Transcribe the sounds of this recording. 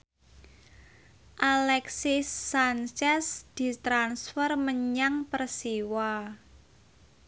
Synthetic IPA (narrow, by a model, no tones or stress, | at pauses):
ʔalɛksisːant͡ʃɛsd̪̥i̤t̪ɾansfərməɲaŋpərsiwa